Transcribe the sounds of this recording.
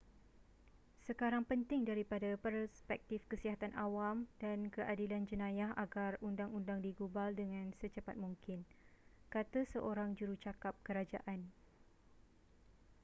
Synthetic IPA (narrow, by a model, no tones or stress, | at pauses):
səkaɾaŋpənt̪ɪŋdaɾipadapərspɛk̚t̪ɪfkəsiɦat̪anʔawamdankəʔadiland͡ʒənãjaɦʔaɡarundaŋundaŋdiɡubaldəŋãnsət͡ʃəpat̪̚mũŋkɪnkat̪əsəʔoɾaŋd͡ʒuɾut͡ʃakap̚kəɾad͡ʒa̰ʔan